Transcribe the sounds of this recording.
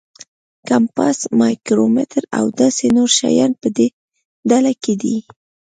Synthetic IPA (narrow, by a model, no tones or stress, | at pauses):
kampasmɑjkɾomɪt̪ɾa̰wd̪ɑsenoɾʃa̰jɑnpəd̪e | d̪alaked̪i